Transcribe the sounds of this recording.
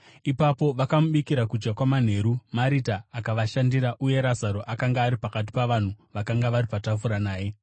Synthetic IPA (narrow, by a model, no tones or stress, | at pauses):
ipapo̞ʋakamuɓikiɾakud͡ʒɡakwaman̤e̞ɾumaɾitaːkaʋaʃandiɾaʔuje̞ɾazaɾo̞ʔakaŋɡaːɾipakat̬i̥paʋan̤uʋakaŋɡaʋaɾipatafuɾanaːje̞